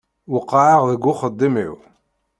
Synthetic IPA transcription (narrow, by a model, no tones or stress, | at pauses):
wəqːɑʕəʁðəɡʷːuχəd̪ˤːimḭw